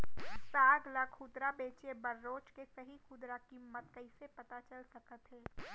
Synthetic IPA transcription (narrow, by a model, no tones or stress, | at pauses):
saːɡləkʰːʊd̪ɾabeːt͡ʃebɐɾːoːt͡ʃkesɐɦixʊd̪ɾakimːət̪̚kɐisepɐt̪at͡ʃɐlsɐkət̪ɦɛː